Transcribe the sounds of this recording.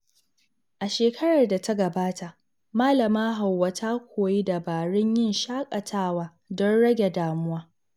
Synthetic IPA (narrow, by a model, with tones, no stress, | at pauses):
ʔa˨ʃeː˨kʰɐ˦ɽɐ˨rda˨ta˦ɡɐ˨baː˦tʰa˨ʔ | maː˦lɐ˨maː˦ɦa˨wːa˨tʰaː˦kʷʰoː˨ji˦da˨baː˨ɽɪ˦ɲjɪ˦nʃaː˦kʼɐ˨tʰaː˦˨waː˨ | dɔ˦nɽɐ˦ɡʲe˨daː˨mʊ˦waː˦